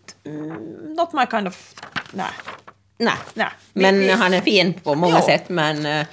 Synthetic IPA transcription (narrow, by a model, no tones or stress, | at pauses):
nɔt̪̚maɪkʰãɪndɔvna̰ɪ | næ̰ɪna | mɛnɦɑnæɾfiːnpʰɔmɑŋːəsɛt̪ːmɛn